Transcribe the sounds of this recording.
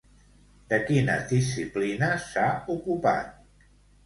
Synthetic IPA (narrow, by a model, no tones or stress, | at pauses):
d̪əkinə̰ðis̬iplinəsaukupa̰t̪̚